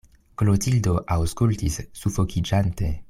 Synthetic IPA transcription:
klotildo̞ʔawskultisːufo̞kid͡ʒante̞

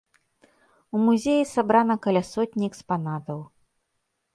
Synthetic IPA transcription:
umuzʲejisabɾanɐkɐlʲasɔt̪ʲnʲiɛkspanat̪ɐw

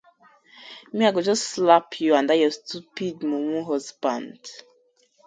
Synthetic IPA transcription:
mĩaɡod͡ʒɔsslapʰjuãndajɔstupidmɔ̃wũɦɔsbãnd̥

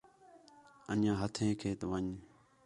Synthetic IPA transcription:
ənãːɦət̪ʰẽːkʰeːt̪əʋəɲ

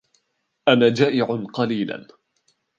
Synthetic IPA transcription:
ʔanaːd͡ʒaːʔɪʕʊnqɑliːla̰n

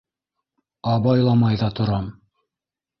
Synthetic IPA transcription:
ɑβɑjlˠɑmɑjðɑt̪ŏɾɑm

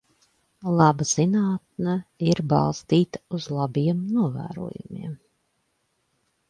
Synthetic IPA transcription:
lˠɑbaz̥inaːt̪̚nɛiɾbɑ̰lˠst̪iːt̪ḁuzlˠabiɛmnuɔvæ̰ːɾṵɔjumḭɛm

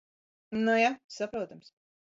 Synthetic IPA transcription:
nojasapɾoːt̪ams

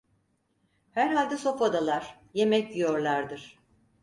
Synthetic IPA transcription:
hæɾɦalʲd̪ɛso̞fad̪alˠaɾ̥ | jemɛcjoɾlˠaɾd̪ɯɾ̥

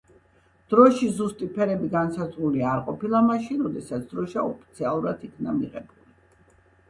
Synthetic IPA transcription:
d̪̥ɾɔʃizust̪ʼipʰɛɾɛbiɡansazɾuliaɾqʼɔpilˠamaʃinɾɔd̪ɛsat̪sʰd̪ɾɔʃaɔpʰi̥t̪sʰialˠuɾat̪ʰikʰnamiʁɛbuli

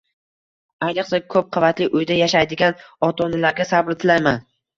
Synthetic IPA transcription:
ajnɨqsakʰɵp̚qʰɑvat̪lɪʔʊjd̪ajaʃajd̪ɪɡʲanɒt̪ʰɒnɪlaɾɡʲasabɾɪt̪ʰɪlajman

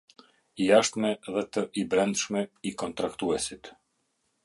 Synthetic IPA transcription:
ijaʃt̪mɛðɛt̪əʔibɾɛnd̪ʃmɛikɔnt̪ɾakt̪uɛsit̪

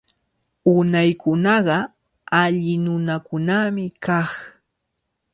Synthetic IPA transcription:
ʊnajkʊnɑɢɑ | aʎɪnʊnakʊnamɪkaχ

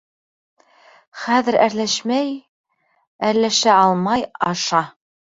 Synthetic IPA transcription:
χæðɘ̆ɾæɾlæʃmæj | æɾlæʃæɑlˠmɑjɑʃɑ

